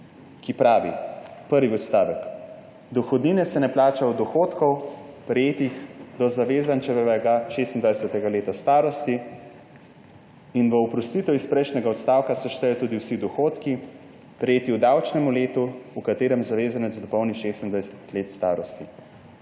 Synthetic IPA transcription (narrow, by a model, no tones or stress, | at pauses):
kipɾaːʋipəɾʋiɔt̪st̪aːʋɛk | d̪ɔxɔd̪ninɛsɛnɛplaːt͡ʃawd̪ɔxoːt̪kɔwpɾɛjeːt̪ixd̪ɔzaʋeːzant͡ʃɛʋɛɛɡaʃeːst̪ind̪ʋajsɛt̪ɛɡaleːt̪ast̪aːɾɔst̪i | inʋəɔpɾɔst̪iːt̪ɛwispɾɛjʃnɛɡaɔt̪st̪aːwkasɛʃt̪ɛjɔt̪uːd̪iwsid̪ɔxoːt̪ki | pɾɛjeːt̪iwd̪awt͡ʃnɛmuleːt̪uːkat̪eːɾɛmzaʋeːzanɛzd̪ɔpɔwniʃest̪ind̪ʋajsɛ̥t̪leːt̪st̪aːɾɔst̪i